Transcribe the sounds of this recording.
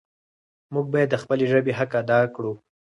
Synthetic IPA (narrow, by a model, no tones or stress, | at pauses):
muɡ̚bɑjad̪ːəxpəleʒəbeɦakad̪ɑkɽu